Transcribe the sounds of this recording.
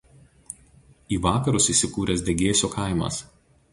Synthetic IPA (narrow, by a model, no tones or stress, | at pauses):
iːʋɑːkɐɾʊsiːˑsʲɪkuːɾʲɛsʲd̪ʲɛɡʲeːsʲoːkʰɑˑɪmɐ̰s